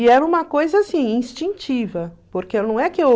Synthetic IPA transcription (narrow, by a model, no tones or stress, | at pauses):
iɛɾɐũmɐkojzɐasĩĩst͡ʃĩnt͡ʃivɐpoɾkenɐ̃w̃ɛkɪe